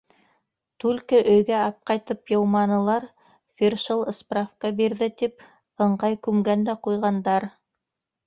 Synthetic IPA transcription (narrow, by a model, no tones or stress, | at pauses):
t̪ʉlkɘʔɵ̆jɡæɑp̚qɑjt̪ɤpjɤ̆wmɑnɤ̆lˠɑɾ | fʲirʃɤlˠɤ̆sprafkɑbiɾðɘt̪ip̚ | ɤ̆ɴɢɑjkʉmɡænd̪æqujʁɑnd̪ɑɾ